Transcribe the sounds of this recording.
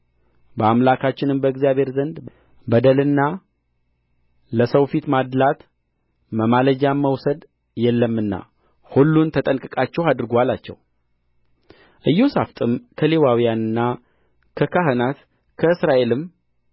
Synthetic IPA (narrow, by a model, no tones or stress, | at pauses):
bəamlakʰat͡ʃːɪnɨmbəɨɡzijabʱhe̞ɾzənd̪ | bəd̪əlɨnːa | ləsəwfit̪mad̪lat̪ | məmaləd͡ʒamːəwsəd̪ | jɛlːəmːɨnːa̰ | hulːunt̪ʰət̪ʼənkʼɨkʼat͡ʃːɛwad̪ɨɾɡalat͡ʃːɛ̰w | ʔɨjːosaft̪ʼɨmkʰəle̞wawijanɨnːa | kʰəkʰaɦɨnat̪ | kʰəɨsɾaʔe̞lɨm